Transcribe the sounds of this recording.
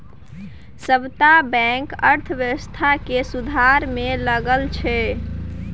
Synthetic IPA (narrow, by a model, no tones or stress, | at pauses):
səbt̪abɛ̃ŋkəɾt̪ʰəʋjəwəst̪ʰakesud̪ʱaɾmeləɡəlt͡ʃʰɛ